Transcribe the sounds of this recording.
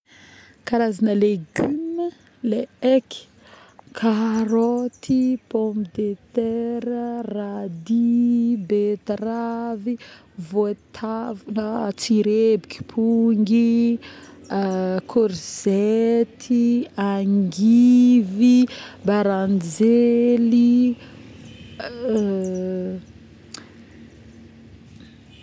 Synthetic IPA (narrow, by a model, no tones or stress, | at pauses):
kaɾazanəleɡymə | leeki̥ | kʰaɾot̪ipɔmd̪et̪ɛɾərad̪ibet̪ravi | vot̪ʰavunət͡siɾebiki̥pʰuŋɡi | kʰoɾz̥et̪ʰiaŋɡivibaɾand͡ʒeli